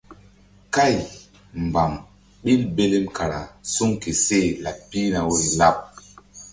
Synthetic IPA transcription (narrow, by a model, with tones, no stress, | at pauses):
ka˦˨j | m˨ba˨m | ɓi˦lbe˦le˦mkʰa˨ɾa̰˨su˦ŋke˨se˦˨la˨pːi˦na˨wo˦la˦p̚